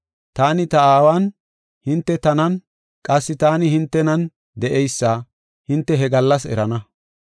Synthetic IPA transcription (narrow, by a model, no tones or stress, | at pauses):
t̪aːnɪt̪ɐaːwaːn | hɪnt̪ːɛt̪ɐnɐn | kʼɐsːɪt̪aːnɪhɪnt̪ːɛnɐn | d̪ɛʔɛjsːaː | hɪnt̪ːɛɦɛɡɐlːɐsɛ̰ɾɐnɐ